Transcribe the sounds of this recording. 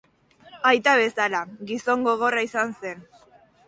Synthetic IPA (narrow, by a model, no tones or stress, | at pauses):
ajt̪aβe̞salaɣiso̞ŋɡo̞ɣ̞o̞raisanse̞n